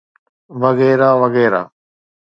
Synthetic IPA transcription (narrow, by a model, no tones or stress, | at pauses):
ʋɐɣɛːɾaːʋɐɣɛːɾa̰ː